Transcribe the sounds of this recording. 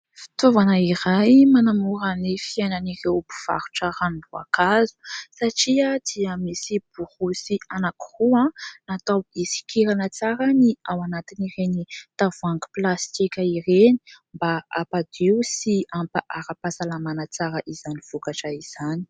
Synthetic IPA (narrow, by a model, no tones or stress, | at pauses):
fi̥t̪ovanaiɾajmanamuɾənifiajnanirewbu̥v̥a̰ɾu̥ʈ͡ʂaɾaminua̰kazu̥saʈ͡ʂiad̪̥iəmisib̥uhusianaki̥ruãnat̪awisi̥kiɾanət͡saɾəniawanat̪iniɾenit̪avuaŋɡi̥plast̪ikʲaireni̥mbaapad̪̥iwsiampaʔaɾapasalamanat͡saɾəʔiz̥aniv̥ukaʈ͡ʂəiz̥ani̥